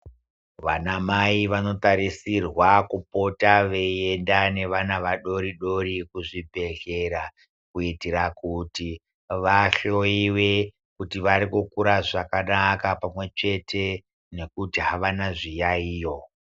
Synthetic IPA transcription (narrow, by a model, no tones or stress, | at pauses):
ʋanamaiʋano̞taɾisirwakupo̞taʋe̞iendane̞ʋanaʋaɗo̞ɾiɗo̞ɾikuʐibʱe̞ɬe̞ɾa | kuitiɾakuti | ʋaɬo̞iwe̞ | kutiʋaɾikukuɾaʐakanakapamwe̞t͡ʃe̞tʰe̞ | ne̞kutiɦaʋanaʐijaiːjo̞